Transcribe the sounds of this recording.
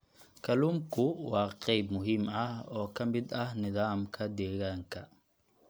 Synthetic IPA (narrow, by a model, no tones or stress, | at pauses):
kʰɐluːmkʰʊwɑːqɛjbmʊɦiːmɐhɔːkʰɐmɪd̪ɐhnɪðaːmkʰɐd̪ɛːɣaːŋkʰɐ